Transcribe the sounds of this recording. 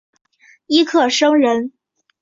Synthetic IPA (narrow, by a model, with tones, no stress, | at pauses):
i˥kʰɤ˨˩ʂɤ˥ŋɻə˧˥n